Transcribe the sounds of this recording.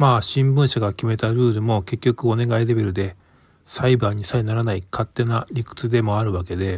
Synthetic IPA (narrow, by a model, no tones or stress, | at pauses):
maːɕĩmbɯ̃ɰ̃ɕaɡakʲime̞t̪aɾɯ̟ːɾɯ̟mo̞ke̞kʲːo̞kɯ̟o̞ne̞ɡaiɾe̞be̞ɾɯ̟d̪e̞ | saibaːɲ̟isainaɾanaikʰat̪ːe̞naɾʲikɯ̟̥t͡sɨd̪e̞mo̞aɾɯ̟βake̞d̪e̞